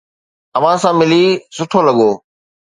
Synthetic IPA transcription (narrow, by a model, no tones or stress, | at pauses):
əʋ̤ãsãːmɪliːsʊʈʰoːləɠoː